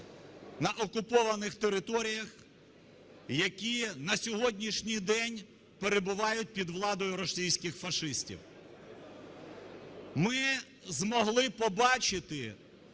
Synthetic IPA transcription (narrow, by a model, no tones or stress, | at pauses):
nɐʔɔkʊpɔʋɐnɪxt̪eɾɪt̪ɔɾʲijɐx | jɐkʲinɐsʲɔɦɔdʲnʲiʃnʲijd̪ɛnʲ | peɾebʊʋɑjʊt̚ʲpʲid̪ʋlˠɑd̪ɔjʊɾɔsʲijsʲkɪxfɐʃɪsʲtʲḭw | mɪ | zmɔɦlˠɪpɔbɑt͡ʃɪt̪ɪ